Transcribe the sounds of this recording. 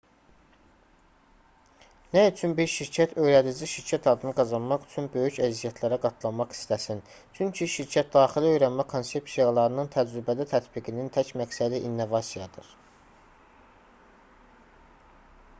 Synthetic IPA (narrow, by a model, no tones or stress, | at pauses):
næyt͡ʃʰynbiɾʃiɾcʰæt̪ʰø̞jɾæd̪id͡ʒiʃiɾcʰæt̪ʰɑd̪ɯnɯɡɑzɑnmɑχy̥t͡ʃʰynbø̞jycæzijæt̪ʰlæɾæɡɑt̪ʰlˠɑnmɑχi̥st̪æsin | t͡ʃʰyɲcʰiʃiɾcʰæt̪̚d̪ɑːχiliø̞jɾænmækʰonse̞psijɑlˠɑɾɯnɯnt̪ʰæd͡ʒɾybæd̪æt̪ʰæt̪biɡinint̪ʰæcmæksæd̪iʔinːo̞vɑsijɑd̪ɯɾ̥